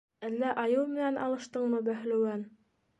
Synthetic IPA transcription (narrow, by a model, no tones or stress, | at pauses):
ælːæʔɑjɤwmɘ̆nænʔɑ̰lˠɤ̆ʃt̪ɤɴmɤbæh̆lɵ̆wæn